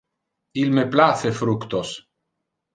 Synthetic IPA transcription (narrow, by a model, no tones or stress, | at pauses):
ilmeplaθefɾukt̪os